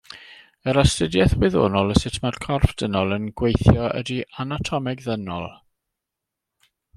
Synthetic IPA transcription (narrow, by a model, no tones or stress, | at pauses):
əɾastədjɛθwɪðo̰ːnɔlˠəsɪtʰmad̥kʰɔrfd̥ənɔlˠənɡwejθjɔə̰dianatʰɔmɪɡðənɔ̰lˠ